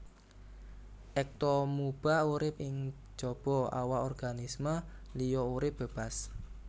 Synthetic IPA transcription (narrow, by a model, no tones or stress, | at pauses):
ʔɛk̚t̪ɔmub̥auɾɪp̚ɪŋ̥ | d͡ʒ̥ɔ̤b̥ɔa̰waʔɔrɡ̥anisməlijɔuɾɪp̚b̥ə̤b̥as